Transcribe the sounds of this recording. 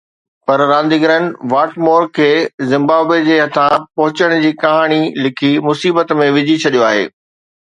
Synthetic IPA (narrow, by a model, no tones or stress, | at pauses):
pɐɾɾãːnd̪iɡɾə̃nɖʋaːʈmoːɾkʰeːzɪ̃mbaːbwed͡ʑeːɦɐt̪ʰapɐɦʊt͡ɕəɽ̃d͡ʑiːkɐɦaːɽ̃ilɪkʰimʊsiːbət̪mẽʋɪd͡ʑʱit͡ɕʰɐɗijoaːɦḛː